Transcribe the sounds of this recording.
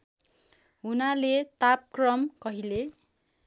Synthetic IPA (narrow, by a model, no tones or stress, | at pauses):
ɦunalet̪ap̚krʌmkʌɦile